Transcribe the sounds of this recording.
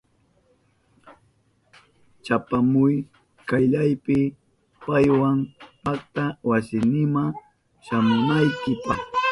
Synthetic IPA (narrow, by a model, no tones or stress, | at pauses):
t͡ʃapamʊj | kajʎajpɪ | pajwampak̚t̪awasɪnɪma | ʃamʊnajkɪpaχ